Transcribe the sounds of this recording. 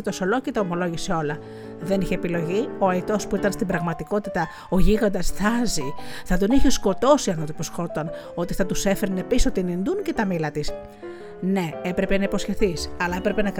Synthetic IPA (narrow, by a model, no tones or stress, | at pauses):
it̪oso̞lo̞cet̪ɐomo̞lo̞ʝisio̞lɐ | ðe̞niçeːpilo̞ʝio̞ɐit̪o̞spuit̪ɐnst̪ibɾɐɣmɐt̪iko̞t̪it̪ɐ | o̞ʝiɣond̪ɐsθɐziθɐd̪oniçisko̞t̪o̞siɐnot̪oposxo̞t̪on | o̞t̪iθɐt̪use̞feɾine̞pisot̪inind̪uncet̪ɐmilɐt̪is | ne̞epɾe̞pe̞nɐipo̞sçe̞θisɐlɐepɾe̞penɐk